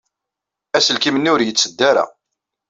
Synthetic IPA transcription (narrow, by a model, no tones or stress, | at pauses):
æsəlkimənːuɾjət͡sːəd̪ːæɾæ̰